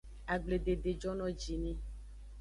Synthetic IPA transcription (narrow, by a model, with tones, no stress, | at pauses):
a˨ɡ͡ble˨ɖe˨ɖe˨d͡ʒɔ˦nɔ̃˦d͡ʒi˨nĩ˦